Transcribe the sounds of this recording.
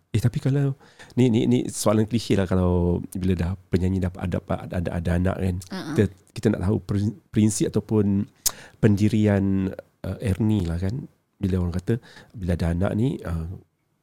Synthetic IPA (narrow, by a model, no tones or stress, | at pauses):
ɛht̪apikalaw | ninḭnḭsoalankəlisilahkalawbilədahpəɲaɲidapaa̰da̰paada̰ʔa̰daanã̰ʔkankit̪əki̥t̪əna̰ʔt̪aɦṵpɾinpɾinsip̚at̪awpʊnpəndiɾian | ʔəʔɛrnilahkan | biləoɾaŋkat̪əbiladaɦana̰ʔniə